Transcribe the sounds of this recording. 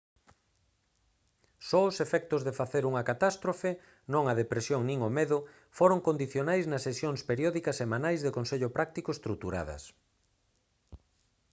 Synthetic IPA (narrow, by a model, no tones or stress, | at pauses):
sɔʊsefɛk̚t̪ʊzðɪfaθeɾuŋɐkat̪ast̪ɾofe | nõŋɐðepɾesjoŋnĩŋomeðʊ | foɾoŋkond̪iθjonajznɐsːesjoŋspeɾjɔðikɐsːemãnajzðɪkonseʎʊpɾak̚t̪ikʊest̪ɾut̪uɾa̰ðɐ̰s